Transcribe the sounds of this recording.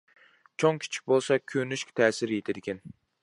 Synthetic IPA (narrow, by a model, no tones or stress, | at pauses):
t͡ʃʰoŋkʲʰi̥t͡ʃʰi̥k̚ʲbolˠsɑkʲʰønyʃkʲt̪ʰɛːsɪɾjet̪ʰɪd̪ɪkʲɛn